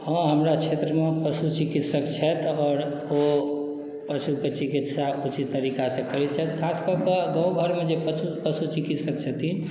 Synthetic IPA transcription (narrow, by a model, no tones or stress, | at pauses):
hɔ̃ɦəmɾat͡ʃʰet̪ɾəmepəsut͡ʃikit̪səkt͡ʃʰɛt̪ɔːɾ | o | pəʃuket͡ʃikit̪saʔut͡ʃit̪ːəɾikasẽkəɾɛt͡ʃʰɛt̪kʰaskəkəɡə̃ũɡʱəɾmed͡ʒepupəsut͡ʃikit̪səkt͡ʃʰət̪in